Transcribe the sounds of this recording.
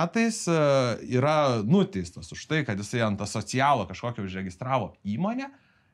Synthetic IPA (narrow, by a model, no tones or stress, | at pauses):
æːt̪ɐɪsiːɾɐnʊt̪ʲɛɪst̪ɐsʊʃt̪ɐɪkɐt̪jɪsɐɪɐnt̪ɐsoːt͡ssʲɪjæːlˠɐkɐʃkoːkʲoʊʃɾʲɛɡʲɪst̪ɾɑːʋoːiːmoːnʲɛ